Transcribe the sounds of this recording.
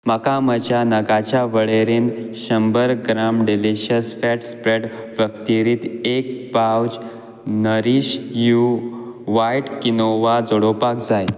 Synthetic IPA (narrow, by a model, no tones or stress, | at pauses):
məkamət͡ɕanəɡat͡ɕjaʋəɭeɾẽnd̪ɕəmbəɾɡɾamɖiliɕəsfɛʈspɾeʈ | ʋjəkt̪iɾiːt̪ek̚pawd͡ʑ | nəɾiɕju | ʋajʈkinoʋad͡zoɽopakd͡zaj